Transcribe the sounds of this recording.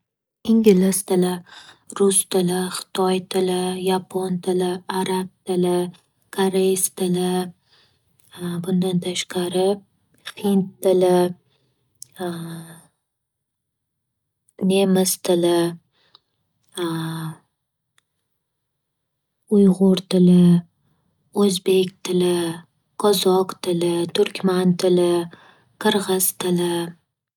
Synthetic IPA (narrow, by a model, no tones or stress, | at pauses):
ɪŋɡʲɪlɪst̪ʰɪlɪ | ɾʊst̪ʰɪlɪχɪ̥t̪ʰɒjt̪ʰɪlɪjapʰont̪ʰɪlɪaɾab̚t̪ʰɪlɪ | kʰaɾejst̪ʰɪlɪ | bʊnd̪ant̪ʰaʃqaɾɪ | hɪnt̪ʰːɪlɪ | ne̞mɪst̪ʰɪlɪ | ʊjʁʊɾt̪ʰɪlɪ | ɵzbe̞kʲt̪ʰɪlɪ | qʰɒzɒqt̪ʰɪlɪt̪ʰʊɾkʲmant̪ʰɪlɪ | qʰɨɾʁɨz̥t̪ʰɪlɪ